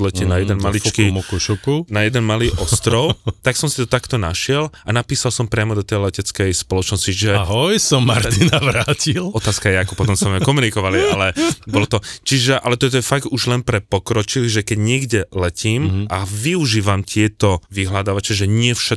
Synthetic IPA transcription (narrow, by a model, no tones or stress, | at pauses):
lɛcɛnajɛd̪ɛnmalit͡ʃkiɔkuʃɔkunajɛd̪ɛnmaliːʔɔst̪ɾɔʊt̪aksɔmsit̪ɔt̪akt̪ɔnaʃɪɛlʔanapiːsalsɔmpɾɪamɔd̪ɔt̪ɛjlɛcɛt͡skɛjspɔlɔt͡ʃnɔsciʒɛɦɔjsɔmːa̰ɾt̪inaʋɾaːcilɔt̪aːskajɛakɔpɔt̪ɔmsɛmɛkɔmunikɔʋalialɛbɔlɔt̪ɔt͡ʃiʒɛʔalɛt̪ɔt̪ɔjɛfaɡt̪uʒlɛnpɾɛpɔkɾɔt͡ʃilʒɛkɛɟɲɪɛɡɟɛlɛciːmaʋiuʒiːʋamt̪ɪɛt̪ɔʋiɦlad̪aːʋat͡ʃɛʒɛɲɪɛfʃa